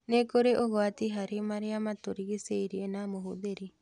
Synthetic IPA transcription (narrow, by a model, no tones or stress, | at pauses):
nekoɾeʔoɣwatiɦaɾemaɾeamatoɾiɣeseiɾienamoɦoðeɾi